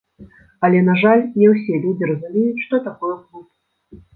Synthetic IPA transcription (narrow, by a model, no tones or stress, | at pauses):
ɐlʲɛnaʐalʲnʲɛwsʲɛlʲud͡zʲiɾɐzumʲejut͡sʲʂt̪ɔt̪akɔjɛzlˠupu